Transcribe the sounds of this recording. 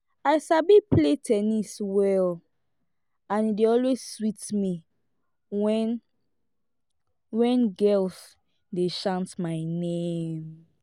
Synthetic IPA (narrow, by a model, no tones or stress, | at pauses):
aɪsabipletʰɛniswɛl | ãnideɔlwezswitmi | wɛn | wɛ̃nɡɛls | deʃãntmaɪnem